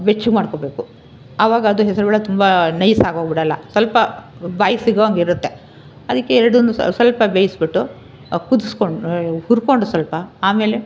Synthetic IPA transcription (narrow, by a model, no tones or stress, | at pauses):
bet͡ʃːuɡmaːɽkobe̞ːku | ɐʋaːɡɐːd̪uɦɛsɐɾubɛɭɐt̪umbɐnɐjsaːɡɦoːɡɐbiɽɐlːɐsɐlpɐbaːjɐsiɡɐʋɐŋɡiɾut̪ːe̞ | ɐd̪ɐkːeɛɾɐɽund̪usɐlpɐbeːjsbiʈːu | kud̪uskoɳhuɾko̞ɳɖusɐlpɐaːme̞ːle